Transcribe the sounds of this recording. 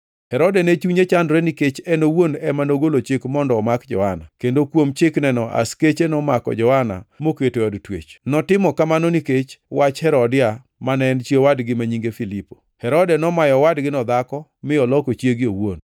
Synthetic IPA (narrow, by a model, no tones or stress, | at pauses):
hɛɾɔdɛnet͡ʃuɲet͡ʃandɾeniket͡ʃɛnowonɛmanoɡolot͡ʃɪkmɔndɔːmakd͡ʒɔ̰hana̰kendokwomt͡ʃɪknɛnɔʔa̰sket͡ʃenɔmakɔ̰d͡ʒɔhana̰moketoɔdtwḛt͡ʃnɔtɪmɔkamanɔniket͡ʃwat͡ʃhɛɾɔdɪa | manɛnt͡ʃjewadɡɪmaɲiŋɡefilipo̥ | hɛɾɔdɛnɔmajɔwadɡɪnɔd̪akɔmɪɔlɔkot͡ʃjeɡɪowo̰n